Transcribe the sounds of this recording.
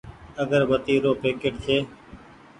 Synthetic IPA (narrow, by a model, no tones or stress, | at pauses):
əɡəɾbət̪iːɾoːpeːkeʈt̪ʰeː